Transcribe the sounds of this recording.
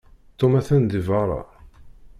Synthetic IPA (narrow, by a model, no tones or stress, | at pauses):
t̪ːomæθænd̪ivɑɾˤɑ̰